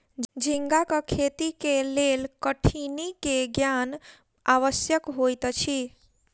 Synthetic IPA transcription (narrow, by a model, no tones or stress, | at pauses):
d͡ʒʱĩŋɡakakʰet̪ikelelkəʈʰinikeɡjan | aʋəsjəkɦojt̪t͡ʃʰi